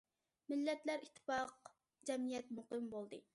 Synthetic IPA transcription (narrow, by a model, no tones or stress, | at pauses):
mɪlːɛt̪læɾit̪ʰːɨ̥fɑq | d͡ʒɛmijɛt̪̚muqɨmbolˠd̪ɨ